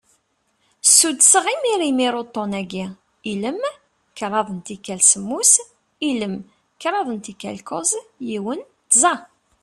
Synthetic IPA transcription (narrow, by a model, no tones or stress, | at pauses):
sːud̪səʁimiɾimiɾot̪ˤːonæɡi | iləm | kɾˤɑðˤənt̪ikːælsəmːus | iləm | kɾˤɑðˤənt̪ikːæ̰lkozjiwən | t̪zɑ